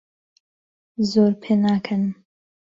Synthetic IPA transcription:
zoːɾpʰeːnaːkʰɐnɨm

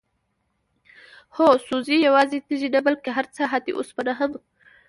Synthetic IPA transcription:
hosuzijawɑzet̪iʒinabalkeɦaɾt͡saɦat̪ḭʔo̰spanaɦəm

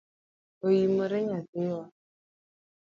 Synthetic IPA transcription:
ojiməɾeɲatewa

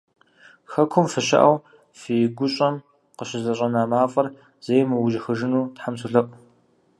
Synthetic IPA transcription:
xɐkʷʰʊmfɨɕɐ̰ʔɐw | fijɡʷʊɕʼɐm | qəʃɪzɐɕʼɐnaːmaːfʼɐr | z̥eːjmɨwʊʒɪxɨʒɪnuːtħamsʰʊɮɐʔʷ

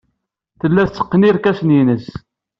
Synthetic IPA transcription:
θəlːæθt͡sːə̥qːniɾkæsninəs

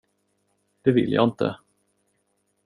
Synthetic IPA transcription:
d̪̥ɛvɪ̰ljɑ̰ːɪnt̪ə̰

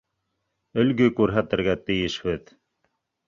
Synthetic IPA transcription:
ɵ̆lɡɵkʉɾɦæt̪ɘ̆ɾɡæt̪ɘ̆jɘʃhɘð

